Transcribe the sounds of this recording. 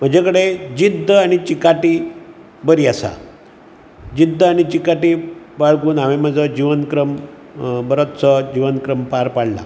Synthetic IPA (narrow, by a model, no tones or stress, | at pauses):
m̤əd͡ʑakəɽed͡ʑid̪ʱəaɽ̃it͡ɕikaʈiː | bəɾiasa̰ | d͡ʑid̪ʱːəaɽ̃it͡ɕikaʈiː | baɭkuːnamem̤əd͡zʱəd͡ʑiʋənkɾəm | bəɾət̪t͡səd͡ʑiʋənkɾəmpaɾpaɽla̰